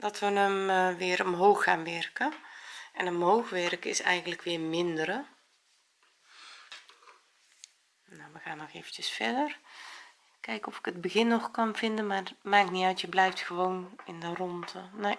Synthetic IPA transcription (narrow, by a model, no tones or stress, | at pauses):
d̥ɔtʋənəmʋɪːɾɔmɦoːxːaːnʋɛrkəʔɛnɔmɦowxʋɛrkɪsɛjɣəntləkʋɪːɹmɪndəɾə | nawʋəɣaːnːɔxeːvən̩tjəsfɛdər | kɛjkɔfɪ̥kədbəɣɪnːɔxkɑnvɪndənmarmaːkniœɥtjəblɛjftxəʋownɪndərɔntʰən